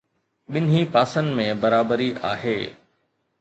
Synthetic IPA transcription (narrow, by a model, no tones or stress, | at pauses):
ɓɪnɦipaːsənmẽbɐɾaːbəɾiʔa̰ːɦeː